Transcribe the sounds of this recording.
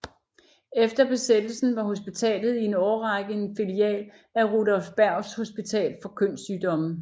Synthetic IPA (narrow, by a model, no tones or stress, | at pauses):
efd̥ɐb̥e̝sed̥l̩sn̩ʋɑ̈ɦo̝sb̥it͡sʰɛ̰ːlð̩ˠie̝nɒːɐʁɑɡ̥ənfiliɛ̰ːl | æʁo̝dɒ̽lfb̥æɐ̰ʊsho̝sb̥it͡sʰɛ̰ːlfɒ̽kʰøn̰syːd̥ɒ̽m̩